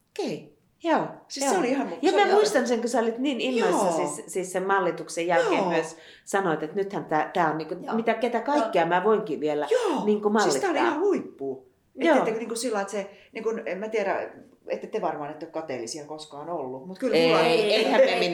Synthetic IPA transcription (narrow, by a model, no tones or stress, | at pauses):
okei | joːsisæoliihɑnjɑmæmuist̪ɑnseŋkøseolʲit̪niːninoisːɑsissiːssemmɑlːit̪uksejjælkeːmmyøs | sɑnoit̪et̪nyt̪hænt̪æːt̪æːonniːŋkomit̪æket̪ækɑikːiɑmæʋoiŋkiʋielæjoːniːŋkumɑilːsːit̪æːoliɑḭhɑluipːuː | ejoːekniːŋkusilːɑiet̪seniːŋkunemmæt̪iæɾæ̰ | ḛt̪ːet̪eʋɑrmɑːnet̪ːeokkɑt̪eːˑlːisielkoskɑːnolːumut̪kyleeihæmemin